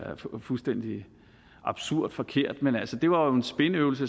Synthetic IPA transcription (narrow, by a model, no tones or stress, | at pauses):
fulsd̥en̰d̥i | ʔɑ̈b̥suɐ̰d̥fɒ̽kʰe̝ɐ̰d̥menælsəd̥e̝ʋɑ̈o̝e̝nsb̥e̝nəøʊl̩sə